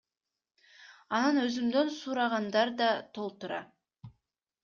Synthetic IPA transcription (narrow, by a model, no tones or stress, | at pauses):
ɑnɑnø̞zymd̪ønsuɾɑʁɑnd̪ɑɾd̪ɑt̪ʰo̞lˠt̪uɾɑ̰